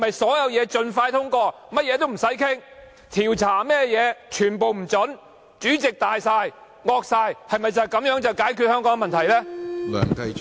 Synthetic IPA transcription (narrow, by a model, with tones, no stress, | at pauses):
mɐ˨jsɔː˨˥jɐ˧wjɛː˨˧t͡ʃɵ˧nfaː˧jt̪ʰʊ˥ŋkɔː˧ | mɐ˥t̚jɛː˨˧t̪̬o˥wm̩˨˩sɐ˨˥jkʰɪ˥ŋ | t̪ʰiː˨˩wt͡sʰaː˨˩mɛː˥jɛː˨˧t͡ʃʰyː˨˩npo˨wm̩˨˩t͡st͡ʃɵ˨˥n | t͡ʃyː˨˥t͡sɪ˨k̚t̪aː˨jsaː˧j | ŋɔː˧k̚saː˧jhɐ˨jmɐ˨˩jt͡sɐ˨jkɐ˨˥mjœː˨˥ŋt͡sɐ˨wkaː˨˥jkʰy˨˧hœː˥ŋkɔː˨˥ŋ˧mɐ˨nt̪ʰɐ˨˩jlɛː˥lœ̰ː˨˩ŋt̪ɐ˧